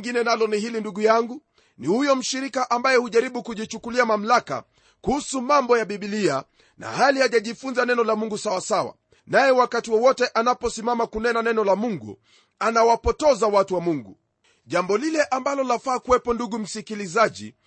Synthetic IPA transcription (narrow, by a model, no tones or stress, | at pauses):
ŋɡinɛnalɔnihilinduɠujaŋɡu | nihujɔm̩ʃiɾikaʔambajɛhuʄaɾiɓukuʄit͡ʃukuliamam̩laka̰ | kuhusumambɔjaɓiɓilia | na̰halihaʄaʄifunzanɛnɔlamuŋɡusawasawa̰ | najɛwakatiwɔwɔtɛʔanapɔsimamakunɛnanɛnɔlamuŋɡṵ | anawapɔtɔzawatuwamuŋɡṵ | ʄambɔlilɛʔambalɔlafaːkuwɛpɔnduɠum̩sikilizaʄḭ